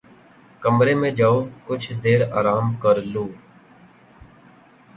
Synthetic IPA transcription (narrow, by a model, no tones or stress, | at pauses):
kəmɾeːmẽːd͡ʒaːoːkʊt͡ʃʰd̪eːɾa̰ːɾaːmkəɾluː